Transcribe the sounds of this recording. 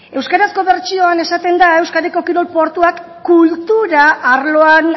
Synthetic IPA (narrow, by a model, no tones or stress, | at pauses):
e̞wskaɾasko̞βe̞ɾt͡ʃio̞ane̞sat̪e̞nd̪ae̞wskaɾe̞ko̞kiɾo̞lpo̞ɾt̪uakː | ult̪uɾaʔːɾloan